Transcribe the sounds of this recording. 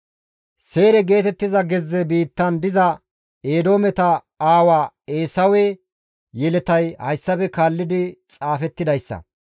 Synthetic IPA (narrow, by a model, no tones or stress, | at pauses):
se̞ːɾɛɡe̞ːt̪ɛt̪ːɪzɐɡɛzːɛbiːt̪ːɐnd̪ɪzɐ | eːd̪o̞ːmɛt̪ɐ | aːwaː | eːsɐwe | jɛlɛt̪ɐjhɐ̰jsːɐbɛkaːlːɪd̪ɪt͡sʼaːfɛt̪ːɪd̪ɐjsːɐ̰